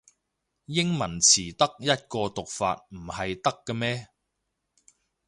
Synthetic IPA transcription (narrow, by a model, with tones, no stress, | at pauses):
jɪ˥ŋmɐ˨˩nt͡sʰiː˨˩t̪ɐ˥k̚jɐ˥t̚kɔː˧t̪ʊ˨k̚fa̰ː˧t̚m̩˨˩hɐ˨jt̪ɐ˥kːɛ˧mɛː˥